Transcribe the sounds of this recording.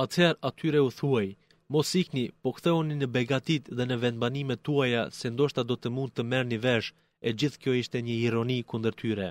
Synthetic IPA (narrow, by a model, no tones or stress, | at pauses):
at̪hɛɾat̪ʰyɾɛuθuaj | mɔsiknipɔkθɛuninəbɛɡat̪it̪ðɛnəvɛnbanimɛt̪ːuajasɛnd̪ɔʃt̪ad̪ɔt̪əmund̪̚t̪ːəmɛɾnivɛʃ | ɛd͡ʑiθkjɔiʃt̪ɛɲəiɾɔnikund̪əɾt̪ʰyɾɛ